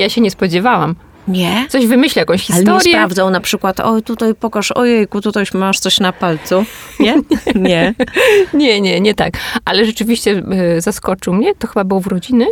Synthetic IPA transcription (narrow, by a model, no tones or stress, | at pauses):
jaɕɛɲɛspɔd͡ʑɛvawam | ɲɛt̪ɔʑvɘmɘɕlʲajakɔ̃w̃ɕxʲialɛt̪ɔɾɾjɛɾavd̪zawnapʂɘkwat̪ɔ̰t̪ut̪ajpɔkaʂɔ̰jɛjkut̪ut̪aʃmaʂt̪sɔɕnapalt̪suɛɲɛ | ɲɛɲɛɲɛt̪a̰kʔalɛʐɛt͡ʂɘvʲiɕt͡ɕɛzaskɔt͡ʂɘwmɲɛt̪ɔxɘbabɘwɔvɾɔd͡ʑinɘ